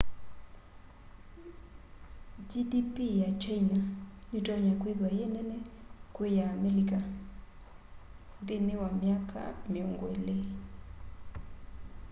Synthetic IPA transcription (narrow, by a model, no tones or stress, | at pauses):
d͡ʒidipʼijat͡ʃʰainanitʼɔɲakʼweðwajɛnɛnɛkʼwɛjaːmɛlikʼa | t̪ʼinɛwamjakʼa̰miɔŋɡwɛ̰lɛ